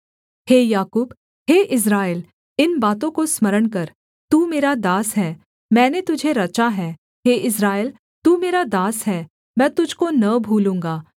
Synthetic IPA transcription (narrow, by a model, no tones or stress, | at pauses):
heːjaːkuːb | ɦeːʔɪs̬ɾaːɪl | ɪnbaːt̪̬õkosmɐɾəɳkɐɾ | t̪uːmeːɾad̪aːsɦɛː | mɛ̃ːnet̪ʊd͡ʒʱeɾɐt͡ʃaɦɛː | ɦeːʔɪsɾaːɪl | t̪uːmeːɾad̪aːsɦɛː | mɛ̃ːt̪ʊd͡ʒʱkonɐbʱuːlũːŋɡaː